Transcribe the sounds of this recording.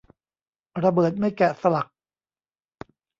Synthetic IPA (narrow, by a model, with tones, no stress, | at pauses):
ɾa˧bɤː˨˩t̪̚ma˥˩jkɛː˨˩sa˧la˨˩k̚